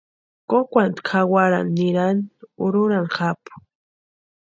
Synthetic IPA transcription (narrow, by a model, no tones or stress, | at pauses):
kokʷant̪kʰawaɾa̰nːɪɾanʊɾʊɾanχapʊ̥